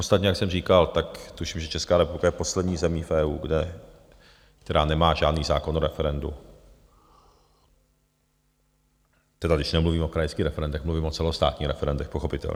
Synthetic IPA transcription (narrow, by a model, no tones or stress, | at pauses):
ot͡sst̪at̪ɲɛjaksɛmr̝iːkalt̪akt̪uʃiːmʒɛt͡ʃɛskaːɾɛpublɪkajɛposlɛd̪ɲiːzɛmiːfʔɛːuːɡdɛ | kt̪ɛɾaːnɛmaːʒaːdniːzaːkonoɾɛfɛɾɛndṵ | t̪ɛdaɡdɪʃnɛmluviːmo̞kɾajskiːxɾɛfɛɾɛndɛxmluviːmot͡sɛlost̪a̰ːt̪ɲiːxɾɛfɛɾɛndɛxpoxo̞pɪt̪ɛ̰lɲ